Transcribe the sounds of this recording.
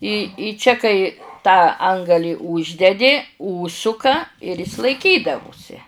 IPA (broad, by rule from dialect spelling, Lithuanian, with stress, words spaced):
ɪ ɪ ˈt͡ʃʲɛ kɐɪ tɑː ˈɐŋɡɐlʲiː ˈuːʒʲdʲɛdʲɪ ˈuːʃsʊkɐ ɪr ˈɪs lˠɐɪˈkʲiːdɐʋʊsʲɪ